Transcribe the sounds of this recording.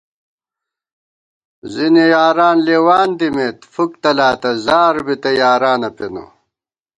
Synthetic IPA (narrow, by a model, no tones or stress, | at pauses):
zinijaːɾaːnleːwaːnd̪imeːt̪fuk̚t̪ɐlaːt̪ɐzaːɾbit̪ɐjaːɾaːnɐpḛnṵ